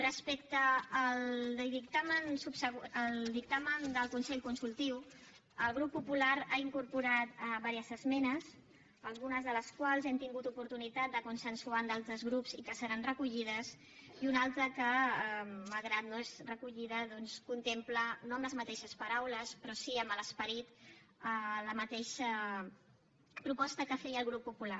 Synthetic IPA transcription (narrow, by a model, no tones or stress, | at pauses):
rəspɛkt̪əːld̪ðikt̪amənsupsəɣəlˠd̪ik̚t̪amənd̪əlˠkunsɛʎkunsulˠt̪iw | əlˠɣ̞ɾupːupulaɾaiŋkuɾpuɾat̪βaɾiəzəzmɛnəs | əlˠɣ̞unəzðələskwalˠzɛnt̪iŋɡut̪upuɾt̪unit̪at̪̚d̪əkunsənsuand̪alˠt̪ɾəzɣɾupzikəsəɾanrəkuʎið̞əz | iunalˠt̪ɾəkə | malˠɣɾat̪noezrəkuʎiðəðɔnskunt̪emplənoəmləzmət̪ɛʃəspəɾawləspɾɔsiəmbələspəɾit̪ | ələmət̪eʃə | pɾupɔst̪əkəfɛjəlˠɣɾupːupula